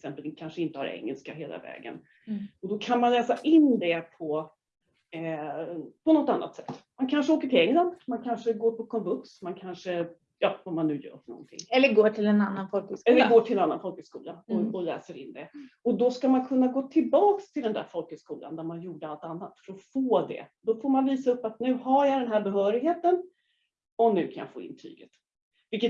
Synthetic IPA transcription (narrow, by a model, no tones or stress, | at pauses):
ɛɛksɛmpəlkʰanʂəɪnt̪əha̰ɾʔɛ̰ŋːɛ̰lskaɦeːlʔa̰vɛ̰ːɡə̰n | ɔd̪ɔkʰanmanlɛːsaʔɪnd̪ɛpʰɔ | pʰɔnɔt̪ːanːa̰t̪sɛt̪ːmankʰanʂəoːkəʈʰɪlɛŋːland̪mankʰanʂəɡoːɾpʰɔkʰɔmbɵksmankʰanʂə | jɑːɔmːanːʉ̟ːjœ̰ːɾfəɳɔ̰nt̪ʰɪ̰ŋːɛlːəɡoːʈʰɪlɛnanːanfɔlksɛlːəɾɡoːʈʰɪlɛnanːa̰nfɔlkəskuːlaɔɔlɛ̰ːsəɾɪ̰nːd̪ɛɔd̪ɔskamankʰɵnːaɡoːt̪ʰɪlbɑːkst̪ʰɪld̪ɛnd̪æ̰ɾfɔlkəskuːla̰nd̪æɾmanjuːɖəalt̪anːat̪fœɾɔfoːd̪ɛ̰d̪ɔfoːɾmanviːsaɵpːat̪nʉ̟ːɦajad̪ɛnɦæːɾbɛɦœːɾɪɡheːt̪ən | ɔnʉ̟ːkʰanja̰fo̰ːɪ̰nt̪ʰɾy̰ːɡə̰t̪ | vɪlkːə